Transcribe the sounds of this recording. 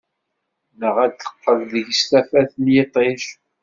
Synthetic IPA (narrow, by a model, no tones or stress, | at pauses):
nəʁæd̪θə̥qːəlðəʝst̪æfæθəljet̪ˤeʃ